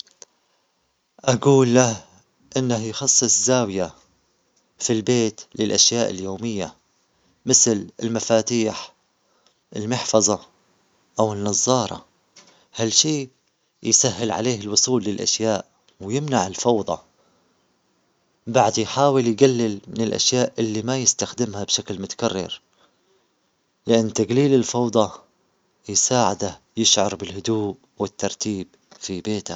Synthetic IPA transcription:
ʔaɡuːlːah | ʔɪnːahjxɑsˤːɨsˤzaːwja | filbeːt̪lɪlʔaʃjaːʔɪljoːmɪjːa̰ | mɪθlɪlmafaːt̪iːħ | ʔɪlmɪħfɑzˤɑ | ʔawɪnːɑzˤːɑːɾˤɑ̰ | halʃiː | jsahːɪlʕa̰leːɦɪlwʊsˤuːlːɪlʔa̰ʃjaːʔ | wjɪmnaʕɪlfɑwðˤɑ | baʕd̪jħaːwɪljɡalːɪlmɪnɪlʔa̰ʃjaːʔʔɪlːimajɪst̪axd̪ɪmhabʃaklmʊt̪ḁkarːɪ̰ɾ | lɪʔanːt̪aɡliːlɪlfɑwd̪ˤɑ | jɪsaːʕɪd̪a | jɪʃʕɑɾˤbɪlhʊd̪uːʔ | wɪt̪ːɑɾˤt̪iːb | fibeːt̪a

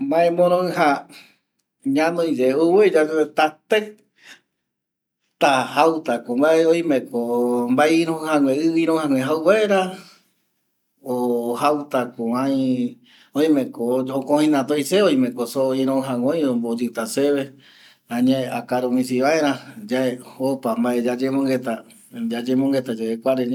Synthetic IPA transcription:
mbãẽmõɾ̃õɨ̃ɦa | ɲãnõĩd͡ʒeuwɨd͡ʒad͡ʒt̪at̪e | t̪ahawt̪akombaeojmẽkombaiɾõɨ̃hãŋʷẽɨβiɾõhãŋʷẽɦawβaeɾa | ohawt̪akoãj̃ | oj̃mẽkookõhĩnãt̪ojseoj̃mẽkosoĩɾõɦãŋõj̃õmbod͡ʒɨt̪aseβe | ãɲẽeakaɾomĩsiβaeɾ̃ãd͡ʒaeopambaed͡ʒad͡ʒemõŋɡet̪a | d͡ʒad͡ʒemõŋɡet̪ad͡ʒaekʷaɾeɲ

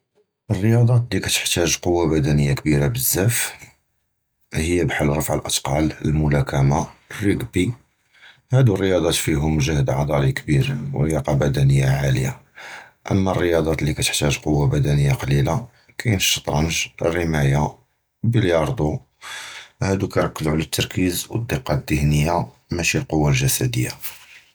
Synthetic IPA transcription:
ʔərːəjɑd̪ˤɑt̪likæt̪ə̥ħt̪æʒqowːabæd̪ænəjːak̚biɾabəzːæf | həjːæbħəlːɾˤɑfʕəlʔɑt̪qɑləlmʊlækæmarːiɡbi | hæd̪urːəjɑd̪ˤɑt̪fiɦʊmʒəhd̪ʕɑd̪ˤɑɾikbiɾw̰ɾəjɑqɑbæd̪ænəjːaʕaləja | ʔə̰mːærːəjɑd̪ˤɑt̪likæt̪ə̥ħt̪æʒqowːabæd̪ænəjːaqɑlila | kæjnʃə̥t̪ˤɾˤɑnʒrːəmæja | biljɑɾˤd̪u | hæd̪ukæjɾˤɑkːəzʕlæt̪ːɑɾˤkizwəd̪ˤːiqːɑd̪əhnəjːa | mæʃilqowːalʒæsæd̪əjːa

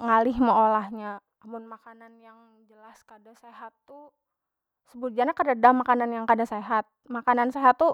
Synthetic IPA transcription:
ŋalɪhmaolahɲaː | mʊnmakananjaŋ | d͡ʒəlaskadaseɦat̪ːu | səbud͡ʒaɲakədadamakananjaŋkadaseɦat̪̚makananseɦat̪ːu

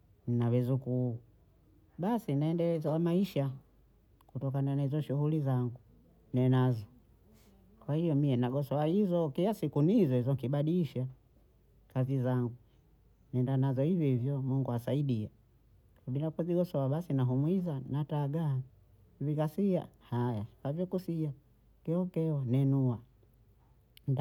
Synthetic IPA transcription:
n̩nawɛzuku | ɓasinaɛndɛlɛzwamaiʃa | kutɔkananaizɔʃuhulizaŋɡu | nɛnazɔ | kwahijɔmiɛnaɡɔsɔaizɔkilasikunizɔizɔŋkiɓaɗiʃa | kazizaŋɡu | nɛndanazɔhivjɔvjɔmuŋɡuasaiɗia | kabilakuziɡɔsɔaɓasinaɦumwizanataɡa | ivikasia̰hajakavjɔkusia | kɛɔkɛɔnɛnua | n

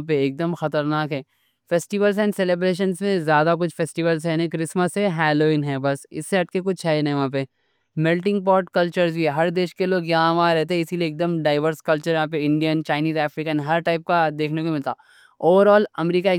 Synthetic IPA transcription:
peːk̚d̪əmxɐt̪əɾnaːkɦɛː | feːsʈiʋəlsɦɛ̃nseːleːbɾeːʃ̬ənsmẽzjaːd̪ak̬ʊt͡ʃʰfeːsʈiʋəls̬ɦɛnẽkɾɪsməseɦɛːloːɪ̃nɦɛbɐsɪ̰sːeɐʈ̚ʰkek̬ʊt͡ʃʰɦɛnɐʋɐɦãːp̬e | mɛlʈɪ̃ŋɡ̚pɔːɾʈkɐlt͡ʃəɾzbʱiɦɛɦɐɾd̪eːʃkeloːɡjɐɦãʋãɾɛɦt̪eɦɛ̃ɪsilieːk̚d̪əmɖaːɪʋəɾskɐlt͡ʃəɾjɐɦãːp̬eɪ̃ɳɖijənt͡ʃaːɪniːzɛːfɾiːkənɦɐɾʈaːɪp̚kad̪eːkʰnekoemɪlt̪a̰ː | oːʋəɾɔːlɐmɾiːkaeː

